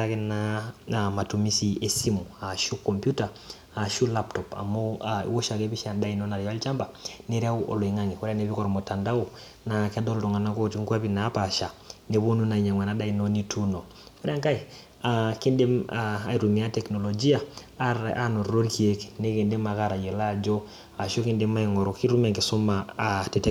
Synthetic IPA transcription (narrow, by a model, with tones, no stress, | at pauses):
ake˦naama˨tu˨mi˦si˨e˨si˦mu˨a˨ʃu˦kːo˨mpju˦ta˨ | a˨ʃu˦la˦ptɔ˨pa̰˨mo˦aḭ˦wo˦ʃa˨ke˦bi˦ʃa˨nda˦i˨no˦na˨ɾja˦lt͡ʃa˦mba˨ne˦ɾea˦uʔo̰˨lo˨i˨ŋa˦ŋi˨ko˦ɾe˦a˦ne˨βi˦ko˦ɾmo˨ta˨nda˦o˨ | na˨ka˦do˦lto˨ŋa˨na˦ŋko˦ti˦ŋku˦a˦pi˨na˦pa˨ʃa˨ne˨βo˦nu˦na˨i˨ɲa˨ŋwa˨na˨˦da˦i˨no˦ni˦tʰu˦no˨ | ko˦ɾe˦a˦ŋka˦i˨ | a˨ki˦nde˦maa̰˨i˨ɾu˨mi˨a˦tɛ˨kno˨lo˨d͡ʒi˦a˨ | a˦no˨ro˦ɾki˨e˦kne˦ki˨ndi˦ma˨ka˦ɾa˨je˨la˦˨d͡ʒo˦ | a˨ʃo˦ki˦ndi˦ma˦i˨ŋo˨ɾo˨ki˦ɾu˦me˨ŋɡi˨su˦ma˨a˨te˨te˦